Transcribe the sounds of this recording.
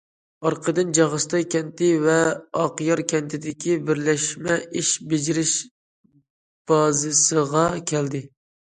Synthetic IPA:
ɑɾqʰəd̪ɨnd͡ʒɑʁəst̪ɑjkʲʰɛnt̪ɪvɛɑqjɑɾkʲʰɛnt̪ʰɪd̪ɪkʲʰibɪɾlɛʃmɛʔiʃbɪd͡ʒɪɾɪʃ | b̥ɑzɨsɨʁɑkʲʰɛld̪ɪ

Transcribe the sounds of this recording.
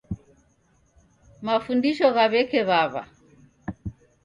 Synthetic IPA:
mafundiʃɔɣaβɛkɛβaβa̰

